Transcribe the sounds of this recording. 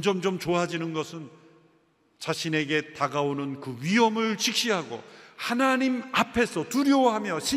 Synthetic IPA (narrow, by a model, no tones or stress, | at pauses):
d͡ʑʌmd͡ʑomt͡ɕoɦad͡ʑinɯnɡʌsʰɯn | t͡ɕaɕʰine̞ɡe̞taɡaonɯnkɯɥiɦʌmɯɭt͡ɕʰik̚ɕ͈iɦaɡo̰hanaɲimapʰe̞sʰʌtuɾjoɦamjʌɕʰi